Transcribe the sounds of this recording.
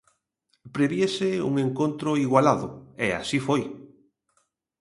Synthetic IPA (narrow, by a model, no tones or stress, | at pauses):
pɾeβjeseṵŋeŋkont̪ɾʊiɣwalaðʊea̰sifoj